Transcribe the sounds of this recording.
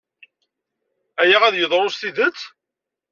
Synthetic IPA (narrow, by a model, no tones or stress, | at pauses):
æjæʁæðjəðˤɾˤosθiðət͡sː